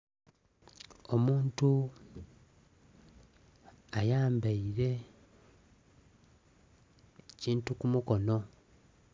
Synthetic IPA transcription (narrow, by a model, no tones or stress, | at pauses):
o̞muːntu | ajaːmbaiɾe̞ | ciːntukumuko̞no̞